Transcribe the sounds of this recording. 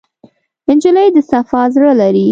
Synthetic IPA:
ɪnd͡ʒʊləjd̪əsafɑzɽalaɾi

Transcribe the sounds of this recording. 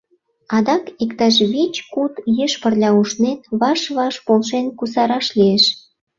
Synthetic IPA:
ɑd̪ɑkekt̪ɑʃβet͡ɕkut̪jəʃpə̆rlʲɑuʃnet̪βɑʃβɑʃpolʃenkus̬ɑɾɑʃlʲieʃ

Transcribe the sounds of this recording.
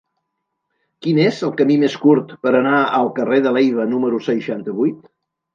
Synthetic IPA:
kinezəlˠkəmimeskuɾt̪pəɾənaəlˠkəreðəlejβ̞ənuməɾusəʃant̪əβujt̪

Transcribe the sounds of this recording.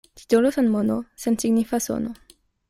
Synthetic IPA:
t̪i̥t̪olosanmonosensiɡnifaso̰no

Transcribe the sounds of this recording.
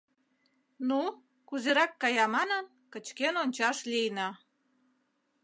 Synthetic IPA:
nu | kuzeɾɑkːɑjɑmɑnən | kə̆t͡ɕkenonʲt͡ɕɑʃlijnɑ

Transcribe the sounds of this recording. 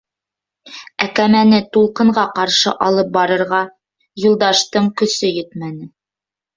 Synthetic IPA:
ækæmænɘt̪ulˠqɤ̆ɴɢɑqɑɾʃɤ̰ʔɑlˠɤp̚bɑɾɤ̆ɾʁɑ | julˠd̪ɑʃt̪ɤɴkɵ̆sɵjɵt̪mænɘ

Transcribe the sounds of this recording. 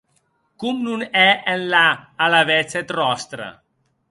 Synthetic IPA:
kumnunɛenlaːlaβɛt͡set̪rɔst̪ɾa̰

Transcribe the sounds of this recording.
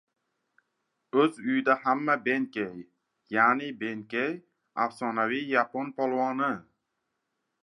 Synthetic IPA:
ɵzʊjɪd̪ahamːabeŋkʲej | jaːnɪbeŋkʲej | a̰fsɒnavijaponpʰɒlˠwɒnɪ

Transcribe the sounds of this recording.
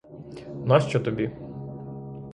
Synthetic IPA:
nɑʃt͡ʃɔt̪ɔbʲi

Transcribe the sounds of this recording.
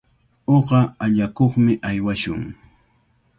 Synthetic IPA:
oɢɑaʎakoχmɪʔajwaʃʊŋ

